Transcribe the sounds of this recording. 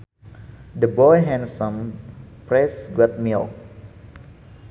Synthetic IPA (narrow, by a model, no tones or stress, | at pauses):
dəbɔjɦɛ̃nsɔ̃mpɾɛsɡwɛt̪̚mil